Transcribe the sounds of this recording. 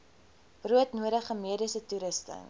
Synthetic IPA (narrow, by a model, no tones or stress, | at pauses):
b̥ruətnuəɾəχəmiədisətuɾəstə̰ŋ